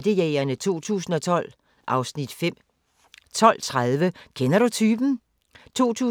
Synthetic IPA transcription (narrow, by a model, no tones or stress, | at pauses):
d̥əjɛːɐnət͡sʰo̝̰ːt͡sʰṵːsn̩ɒ̽t͡sʰɒ̽l̰ | ʔɑ̈ʊsnid̥fem̰ | t͡sʰɒ̽l̰t͡sʰʁaðˠʋəkʰenɐɾ̥ut͡sʰyːb̥n̩ | t͡sʰo̝̰ːt͡sʰṵː